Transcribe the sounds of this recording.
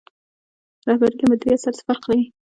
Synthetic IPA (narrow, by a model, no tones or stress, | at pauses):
ɾɑhbaɾid̪əmʊd̪ɾiasaɾsfaɾqlawi